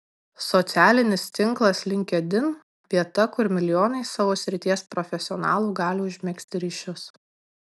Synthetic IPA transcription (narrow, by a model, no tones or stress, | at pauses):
sɔt̪sʲæːlʲɪnʲɪst̪ʲɪŋˑklˠɐslʲɪŋʲkʲɛd̪ʲɪn | ʋʲiɛt̪ɐkʊɾmʲɪlʲɪjoːnɐɪsɑːʋoːsʲɾʲɪt̪ʲiɛspɾɔfʲɛsʲɪɔnɑ̰ːlˠuːɡɑːlʲuːʊʒʲmʲɛksʲt̪ʲɪɾʲɪːʃʲʊs